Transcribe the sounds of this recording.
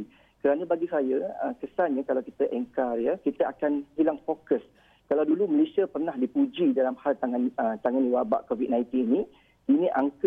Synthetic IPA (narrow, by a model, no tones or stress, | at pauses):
kəɾanə̃baɡisajəəkəsanɲãkalawkit̪aʔɛŋkarjəkit̪əakanhilaŋfokəs | kalawduluməlesiapərnahdipud͡ʒidalamhalt̪aŋanət̪aŋaniwaba̰ʔkovit̚nãj̃nt̪ininĩ | inĩʔaŋkə